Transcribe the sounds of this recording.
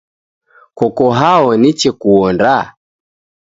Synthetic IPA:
kɔkɔɦaɔnit͡ʃɛkuɔnda

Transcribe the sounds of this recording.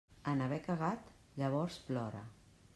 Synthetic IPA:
ənəβ̞ɛkəɣat̪ | ʎəβ̞ɔɾsplɔɾə̰

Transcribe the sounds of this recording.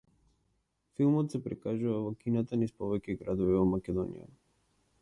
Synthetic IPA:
filˠmɔt̪sɛpɾḭkaʒuvavɔkinat̪anispɔvɛcɛɡɾad̪ɔvivɔmakɛd̪ɔnḭja̰

